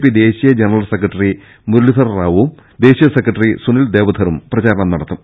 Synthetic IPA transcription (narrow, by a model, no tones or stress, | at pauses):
pːid̪e̞ːɕijɐd͡ʑenɐrɐlsekɾɐʈːɐri | muɾlːisɐrraːʋum | d̪e̞ːɕijɐsekrɐʈːɐrisunild̪e̞ːʋɐd̪ʱɐɾumprɐd͡ʑaːɾɐɳɐmnɐɽɐt̪ːum